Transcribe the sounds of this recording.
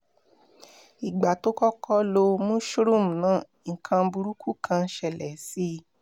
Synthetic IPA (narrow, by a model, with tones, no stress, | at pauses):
i˨ɡ͡ba˨to˦kɔ˦kʰɔ˦lo˧mũ˦ʃu˦ɾũ˦˨m̩˨nãː˦˨ŋ̩˨kʰã˧bu˧ɾu˦kʰu˦kʰã˧˦ʃɛ˧˨lɛ˨si˧˦